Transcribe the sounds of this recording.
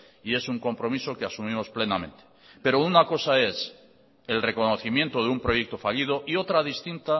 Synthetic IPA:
ie̞suŋko̞mpɾo̞miso̞keasumĩmo̞sple̞namẽnt̪e̥ | pe̞ɾounako̞sae̞s | e̞lre̞ko̞no̞θimje̞nt̪oðeumpɾo̞je̞k̚t̪o̞faʎið̞o̞ʔio̞t̪ɾaðist̪int̪a

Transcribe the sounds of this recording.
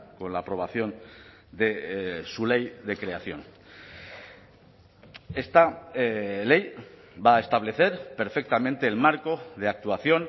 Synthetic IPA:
ko̞nlaːpɾo̞β̞aθjo̞n | d̪esule̞jðe̞kɾe̞aθjo̞̰n | e̞st̪a | le̞j | baːest̪aβle̞θe̞ɾpe̞ɾfek̚t̪amẽnt̪e̞ːlmaɾko̞ðe̞ak̚t̪uaθjo̞n

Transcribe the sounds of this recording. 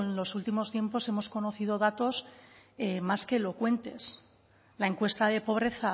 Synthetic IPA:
nlo̞sult̪imo̞st̪je̞mpo̞se̞mo̞sko̞no̞θið̞o̞ðat̪o̞semaske̞ːlo̞kwe̞nt̪e̞s | lae̞ŋkwe̞st̪aðe̞po̞β̞ɾe̞θa

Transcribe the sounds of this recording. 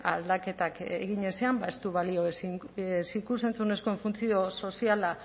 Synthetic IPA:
ald̪ake̞t̪akḛɣiɲe̞se̞ambae̞st̪uβalio̞s | sikuse̞nt͡sune̞sko̞e̞ɱfunt͡sio̞so̞siala

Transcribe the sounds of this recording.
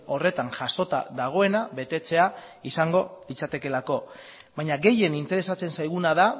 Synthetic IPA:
o̞re̞t̪aŋʝaso̞t̪a̰ðaɣ̞o̞e̞naβe̞t̪e̞t͡se̞a | isaŋɡo̞lit͡sat̪e̞ke̞lako̞ | βaɲaɡe̞je̞nint̪e̞ɾe̞sat͡se̞nsajɣ̞unaða

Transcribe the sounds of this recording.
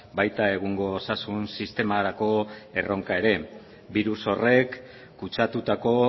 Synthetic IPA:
bajt̪ae̞ɣuŋɡo̞ːsasunsist̪e̞maɾako̞e̞rʔo̞ŋkae̞ɾe̞ | biɾuso̞re̞kː | ut͡ʃat̪ut̪ako̞

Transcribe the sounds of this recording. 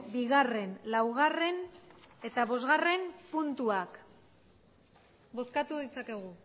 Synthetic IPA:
biɣare̞nlawɣ̞are̞ne̞t̪aβo̞zɣare̞mpunt̪uak | bo̞skat̪uðit͡sake̞ɣu

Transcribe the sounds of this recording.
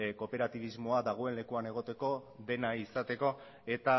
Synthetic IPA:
ko̞pe̞ɾat̪iβizmo̞ad̪aɣ̞o̞e̞nle̞kuane̞ɣ̞o̞t̪e̞ko̞ðe̞naisat̪e̞ko̞ | e̞t̪a

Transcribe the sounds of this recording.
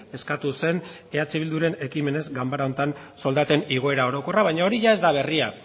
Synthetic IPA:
e̞skat̪use̞n | e̞at͡siβild̪uɾe̞ne̞kime̞ne̞zɡambaɾaont̪an | so̞ld̪at̪e̞niɣ̞o̞e̞ɾao̞ɾo̞ko̞raβajɲao̞ɾiʝae̞zd̪aβ̞e̞ria

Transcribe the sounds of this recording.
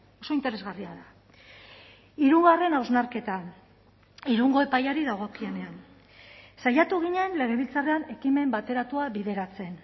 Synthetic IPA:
o̞so̞int̪ee̞zɣariaða | iɾuŋɡare̞nawznaɾke̞t̪a | iɾuŋɡo̞e̞pajaɾiðaɣ̞o̞kie̞ne̞an | sajat̪uɣ̞iɲe̞nle̞ɣ̞e̞β̞ilt͡sareane̞kime̞mbat̪e̞ɾat̪uaβiðe̞ɾat͡se̞n

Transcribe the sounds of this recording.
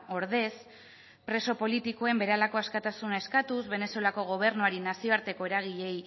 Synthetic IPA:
o̞ɾðe̞s | pɾe̞so̞po̞lit̪iko̞e̞mbe̞ɾealako̞askat̪asunae̞skat̪uzβe̞ne̞solako̞ɣ̞o̞β̞e̞ɾnuaɾinasio̞aɾt̪e̞ko̞e̞ɾaɣ̞iʎe̞j

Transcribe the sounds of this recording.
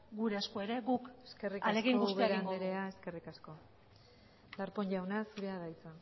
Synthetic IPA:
ɡuɾeaskoeɾe̞ɡukeske̞rikalseɣiŋoɡusutɣeiaɾanɡd̪eɾeae̞ske̞rikasko̞ | laɾpo̞nʝawnasuɾe̞aðajt͡sa

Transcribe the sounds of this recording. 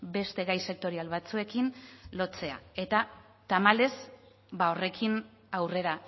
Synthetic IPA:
be̞st̪e̞ɣajse̞k̚t̪o̞ɾialβat͡sue̞kinlo̞t͡se̞a̰e̞t̪a | t̪amale̞z | bao̞re̞kʰin | awre̞ɾa

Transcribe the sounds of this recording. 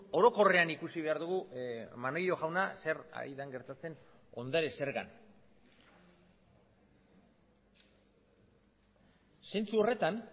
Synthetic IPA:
o̞ɾo̞ko̞re̞anikusiβ̞e̞aɾðuɣumanojo̞ɣawnase̞ɾa̰ɾiðaŋɡe̞ɾt̪at͡se̞n | o̞nd̪aɾese̞ɾɣa̰n | se̞nt͡suo̞re̞t̪an

